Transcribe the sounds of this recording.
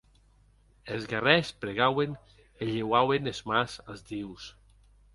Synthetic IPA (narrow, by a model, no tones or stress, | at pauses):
elzɣarɛspɾeɣawen | eʎewawenezmazalzd̪iws